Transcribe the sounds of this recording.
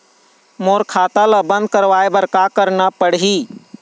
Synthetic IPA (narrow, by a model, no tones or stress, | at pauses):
moːɾkʰaːt̪aləbə̃nd̪̚kəɾʋaebəɾkakəɾnapəɽɦi